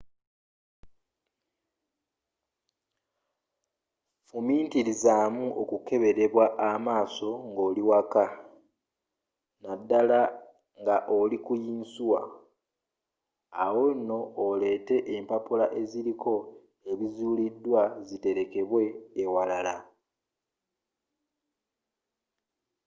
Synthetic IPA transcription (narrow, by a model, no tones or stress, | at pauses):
fumiːntilizaːmuʔokuke̞βe̞ɾe̞βwaʔamaːso̞ŋɡo̞ːliwaka | nadːala | ŋɡaʔolikujiːnsuwa̰ | wo̞nːo̞ːle̞ːte̞ʔempapulaʔe̞ziɾikʰo̞ | e̞βizuːlidːwazite̞ɾe̞ke̞βwe̞ːwalala